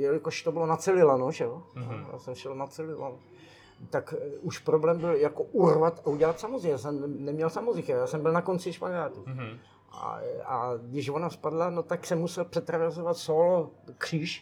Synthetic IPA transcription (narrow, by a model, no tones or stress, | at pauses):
jɛlɪkoʃt̪obɪlonat͡sɛlɪlanoʒɛoja̰ːsɛmʃɛlnat͡sɛlɪla̰nu | t̪akuʃpɾoblɛmbɪljakoʔurvat̪auɟɛlat̪samozɛjaːsɛmnɛmɲɛlsamozɪxajaːsɛmbɪlnako̞nt͡sɪʃpaɡaːt̪u | a̰aɡdɪʃvonaspadlanot̪aksɛmːusɛlpr̥ɛt̪ɾavɛɾzovat̪solkr̝̥iːʃ